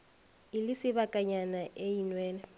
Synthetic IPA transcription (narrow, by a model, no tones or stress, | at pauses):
ɪlɪsɪβakʼaɲanaʔeinwɛːnɛ